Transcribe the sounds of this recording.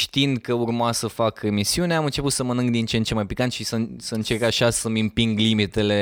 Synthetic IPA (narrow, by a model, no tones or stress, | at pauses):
ʃt̪iind̪kəurmasəfakemisiuneamɨnt͡ʃe̞put̪səmənɨŋɡd̪int͡ʃent͡ʃemajpikant̪ʃisəsəɨnt͡ʃe̞rkaʃasəmimpiŋɡlimit̪e̞le̞